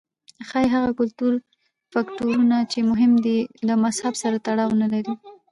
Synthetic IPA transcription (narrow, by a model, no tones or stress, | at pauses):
xajɦaɣakʊlt̪uɾ | faktuɾunat͡ʃemʊɦɪmd̪ilamashabsaɾat̪aɽɑwnalaɾi